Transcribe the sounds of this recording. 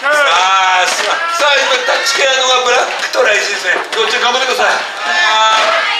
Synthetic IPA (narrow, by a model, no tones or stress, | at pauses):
asasaimat̪at͡ɕi̥keanoɡabɯɾakːɯ̥t̪oɾaiɕid̪esɨnekot͡ɕɾaɡãmbat̪ːekɯd̪asaj